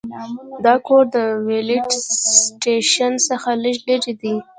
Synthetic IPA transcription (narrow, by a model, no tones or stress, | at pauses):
d̪ɑkoɾd̪əweliʈsʈeʃansəxaləʃbeɾed̪i